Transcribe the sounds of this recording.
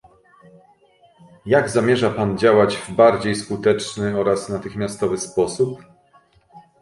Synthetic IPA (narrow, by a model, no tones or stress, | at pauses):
jaɡzamʲjɛʐapand͡ʑawad͡ʑvbaɾd͡ʑejskut̪ɛt͡ʂnɘɔɾasnat̪ɘxmʲjast̪ɔvɘspɔsup